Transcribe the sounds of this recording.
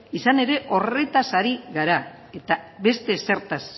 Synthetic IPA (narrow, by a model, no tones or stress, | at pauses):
isane̞ɾe̞ʔo̞re̞t̪asaɾiɣaɾa | e̞t̪aβe̞st̪e̞se̞ɾt̪as